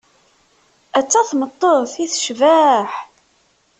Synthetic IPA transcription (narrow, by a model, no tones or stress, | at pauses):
æt͡sːæθmət̪ˤːoðˤθiθʃvæħ